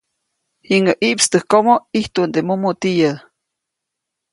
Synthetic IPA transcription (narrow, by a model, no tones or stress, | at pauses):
hiŋəʔiʔpst̪əhkomoiht̪und̪emumut̪ijə